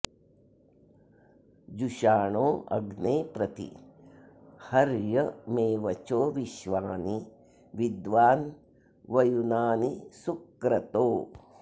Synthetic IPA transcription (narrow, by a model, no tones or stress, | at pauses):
d͡ʒuʃaːɳoːʔɐ̰ɡneːpɾɐt̪ḭ | hɐɾjɐmeːʋɐt͡ʃoːʋiʃʋaːni | ʋid̪ʋaːn | ʋɐjunaːnisukɾɐt̪oː